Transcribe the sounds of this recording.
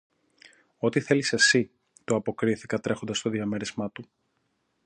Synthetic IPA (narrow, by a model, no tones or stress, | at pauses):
o̞t̪iθe̞lise̞si | t̪oɐpo̞kɾiθikɐt̪ɾe̞xo̞nd̪ɐst̪o̞ðiɐmeɾizmɐt̪u